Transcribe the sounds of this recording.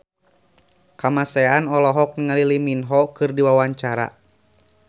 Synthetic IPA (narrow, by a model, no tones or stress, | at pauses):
kamasɛanɔlɔɦɔk̚ŋaliliminɦɔkɨrdiwawaɲt͡ʃaɾa̰